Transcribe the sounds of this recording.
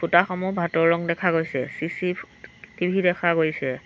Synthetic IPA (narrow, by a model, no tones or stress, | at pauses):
bʰutaxɔmʊbʱatɔɹɹɔŋdɛkʰaɡojsɛ̰sisi | tibʱidɛkʰaɡojsɛ